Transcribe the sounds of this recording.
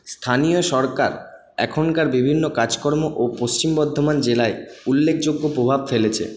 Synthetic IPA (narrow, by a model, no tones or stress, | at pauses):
st̪ʰanijoʃɔɾka̰ɾ | ɛ̰kʰonkaɾbibʱinːokad͡ʑkɔɾmoʔopost͡ɕimbɔɾd̪ʱːomand͡ʑelaeulːek̚ʰd͡ʑoɡːopɾobʱabfelet͡ɕʰḛ